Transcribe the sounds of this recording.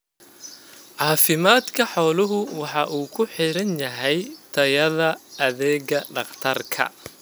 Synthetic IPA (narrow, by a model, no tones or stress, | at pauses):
ʕɑːfɪmaːd̪kʰɐħɔːlʊɦʊwɑħɑʔuːkʰʊħɪɾɐnjɐɦɛjt̪ʰɐjɐðɐɐðɛːɣɐɖɑqt̪ʰɐrkʰɐ̰